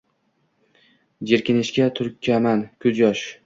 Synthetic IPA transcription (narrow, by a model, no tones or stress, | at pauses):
d͡ʒeɾkʲɪnɪʃkʲat̪ʰʊɾkʲʰːamankʰʲʊd͡ʒɒʃ